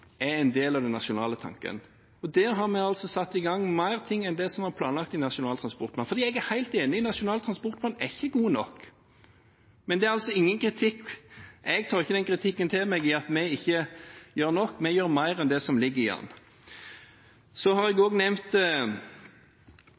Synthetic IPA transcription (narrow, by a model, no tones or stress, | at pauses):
ɛɛɪnd̪eːlɑʋd̪ɛnːɑʃʊnɑ̰ːlət̪ʰɑ̰ŋkə̰n | ɔd̪ɛɦɑɾmɛɡɑlsɔsɑt̪ːɪɡɑŋːmæɪʁt̪ʰɪŋːɛnd̪ɛsɔmɑɾpʰlɑːnlɑk̚t̪ɪnɑʂʊnɑːlt̪ʰʁɑspɔʁt̪̚mɑnfɔɾd̪iːɛɡæɾhæɪlt̪eːnɪɪnɑʂʊnɑːlt̪ʰɾɑnspɔɾt̪mɑnɛɪçːəɡuːnɔkː | mɛnd̪ɛæɾɑlsɔɪŋːənkʰɾɪt̪ʰɪkːʔɛɡt̪ʰɑːɾɪçːəd̪ɛnkʰɾɪt̪ʰɪkːənt̪ʰɪlmɛɡɪɑt̪mɛɪçːəjøːɾnɔkːmɛjøːɾmæɪɾɛnd̪ɛsɔmlɪɡːəɪɑ̰nː | sɔhɑɾɛɡoːɡnɛmt̪